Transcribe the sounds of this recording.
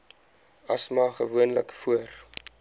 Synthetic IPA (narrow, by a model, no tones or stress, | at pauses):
ɐsmɑːχəvuənləkfuər